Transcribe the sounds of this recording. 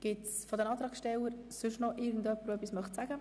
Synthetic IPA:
ɡ̥ɪtsfɔd̪ənɑːt̪ɾɑːksʃtɛləɾ | sʏʃnɔʔɪːɾɡn̩dœpːəɾœpːismœχtsæɡ̥ə

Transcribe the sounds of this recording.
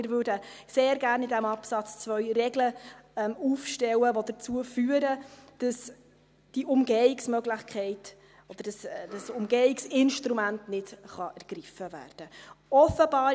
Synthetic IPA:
ɪɾvøːɾdə | seːɾɡæːɾnɪdæmɑpsɑt͡st͡svœʏrɛɡləɛmufʃtɛwəvod̪ət͡suəfyːəɾəd̥ɑs | d̥iʔʊmɡeɪksmœɡlɪχkχɛɪt | ɔd̪̥əɾd̥ɑsd̥ɑsʊmɡeːɪksɪnʃtɾumæntnɪdχɑʔɛɾɡ̥ɾɪfəvæ̰ːrd̥əɔfəbɑː

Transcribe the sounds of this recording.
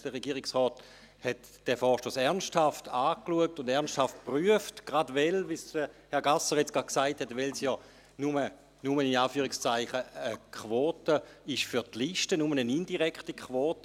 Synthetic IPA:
d̥əʁeɡiːʁɪksʁɔːt | hɛt | d̥ɛfɔːʃtoːsɛʁnsthaftʰaːkluək̚tʊndɛɐnsthaft̚pʁyəftɡ̥ʁadʋɛlvisəhɛɐɡasəʁjɛt͡sɡ̥ḁksaɪthɛtʋɛlsjɔ | numə | numəinaːfyːʁɪkst͡saɪχəəkʰʋoːtəɪʃfyɐtliʃtənumənənindiʁɛktikʰχʋoːtə

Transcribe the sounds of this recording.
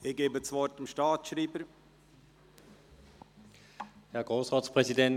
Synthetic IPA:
ɪɡ̥eːbət͡svɔɾtɪmʃtaːtʃɾiːbəɾ | hɛɐɡ̥ʁoːsʁaːspʁ̥ɛzidɛn

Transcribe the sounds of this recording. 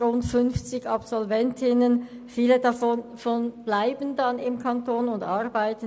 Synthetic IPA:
ʁʊntfʏnft͡sɪçapsɔlvɛntʰɪnənfiːlədafɔnfɔnb̥laɪbən̩dɑnɪmkʰantoːnʊndaʁbaɪtə

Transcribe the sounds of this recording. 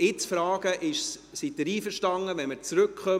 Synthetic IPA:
ɪt͡sfɾɑːɡ̥əʔɪʃs | sidəɾiːfəɾʃtɑŋːəʋɛnməɾt͡sɾɵkχœ

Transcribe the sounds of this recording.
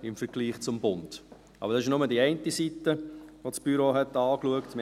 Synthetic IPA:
ɪmfəɾɡ̥liːχt͡sʊmbʊnt | ɑ̰bəɾdɑsɪʃnʊmədiɛɪntisitəʋosb̥yɾoɦɛtɑːkluəktm

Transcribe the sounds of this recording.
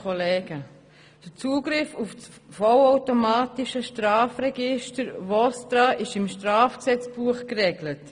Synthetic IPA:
ɔlɛːɡ̥ə | d̥ət͡suːɡɾɪfufsfɔlaʊtomaːtiʃəʃtɾaːfɾɛɡɪʃtəɾvɔstɾaːʔɪʃɪmʃtɾaːfksɛt͡sb̥uəχkrɛɡlət

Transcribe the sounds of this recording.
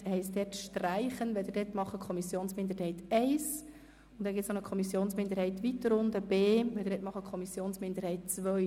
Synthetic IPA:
hɛɪstd̪ɛːtʃtræɪχənʋɛld̥̪ədɛtmɑχəkʰχɔmisjoːnsmɪnd̪əɾhɛɪtɛɪs | ʊntd̥̪ɛnɡɪtsnɔnəkʰɔmisjoːnsmɪnd̪əɾhɛɪtʋitːəɾʊnd̪əb̥eːʋɛld̪əɾdɛtmɑχəkʰχɔmisjoːnsmɪnd̪əɾhɛɪt̚t͡sʋœɥ

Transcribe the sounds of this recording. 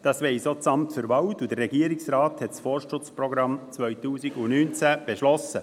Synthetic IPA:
d̥ɑːsʋɛɪsoːt͡sɑmtføɾʋɑwtud̥̪ərːɛɡ̥iəɾɪksɾɑːthɛtsfɔrʃtʊt͡sprɔɡɾɑmt͡svœjtuːsiɡunyːnt͡sæb̥eʃlɔsə

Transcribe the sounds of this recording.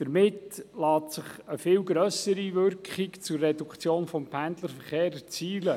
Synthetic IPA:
d̥əɾmɪtlɑːtsɪχəfɪlɡɾœsəɾiʋʏɾkχikt͡sʊrːɛdukt͡sjoːnfɔmpʰænd̪ləɾfəɾχeːɾət͡siːlə

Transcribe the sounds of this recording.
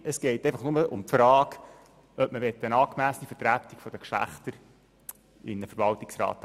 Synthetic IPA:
əsɡ̥ɛɪteɪfɑχnʊməʔʊ̰mtfɾɑːk | œp̚məʋɛt̪ːəənɑːkmæːsnifətɾæt̪ikfɔd̥̪əkʃlæ̰χt̪əɾ | ɪ̰nːəfəɾʋɑltɪksɾɑ̰ːt̪

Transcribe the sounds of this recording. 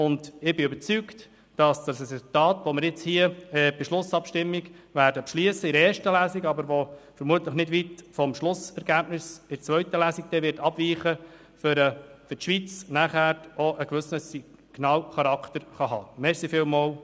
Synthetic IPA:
ʊndɪb̥ɪʏbəɾt͡sykt | d̥ɑsd̥ɑsɾɛsʊl̩tɑːtʋoməɾjɪt͡shiəɛːb̥ɪʃlʊsɑpʃtɪmːiɡʋæːɾdəpʃliəsəɪɾeːɾʃtəlæːsiɡɑbəɾʋofəɾmuətləχnɪdʋitfɔmʃlʊsɛɾɡæːbnɪsɪt͡sʋœʏtəlæːsik̚d̥̪ɛʋɪtɑbviːχə | fɾəfʏtʃʋit͡snæχæːoʔəkʋʏsnəsi | ɡ̥nɑːlχɑɾɑktəɾχɑɦɑːmɛɾsifɪlmɑːl

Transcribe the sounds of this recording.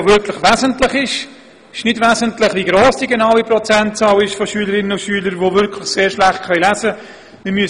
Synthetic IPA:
vʏɾkʰlɪχʋɛːzəntlɪχɪʃ | ɪʃnɪdvɛːzəntlɪχʋiɡɾoːsd̥iɡenaʊwiprɔt͡sɛntt͡sɑːlɪʃfɔʃyːləɾɪnənʊʃyːləɾʋovʏɾkʰlɪχseːɾʃlæχt̚kʰœjlæzə | mɪmyəs

